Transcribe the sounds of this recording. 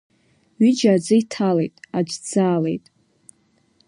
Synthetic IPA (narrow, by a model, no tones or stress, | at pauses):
ɥid͡ʒaːd͡zɨitʰalḛjtʼad͡ʒd͡zaːle̞̰jtʼ